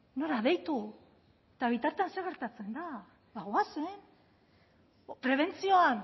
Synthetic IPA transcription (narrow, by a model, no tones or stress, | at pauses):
no̞ɾaðe̞jt̪u | t̪aβ̞it̪aɾt̪eanse̞ɣe̞ɾt̪at͡se̞nd̪a | ðaɣoasen | pɾe̞β̞e̞nt͡sio̞an